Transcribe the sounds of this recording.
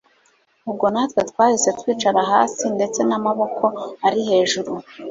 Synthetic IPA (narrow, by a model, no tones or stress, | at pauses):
ub̚ɡo̞natwetwaːhise̞twiːt͡ʃaɾaɦaːsinde̞t͡se̞namaβo̞kʰo̞aɾihe̞ːʒuɾu